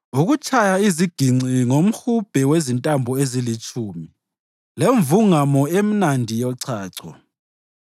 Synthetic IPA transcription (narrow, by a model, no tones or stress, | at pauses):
uɣut͡ʃʰʼajaiziɡ̥ʱiŋ͡ǀʱiŋom̩hub̥ʱɛwezintʼambʱɔezilit͡ʃʼʰuːmi | leɱvuŋamɔem̩nandʱijɔǀʰaːǀʰɔ̰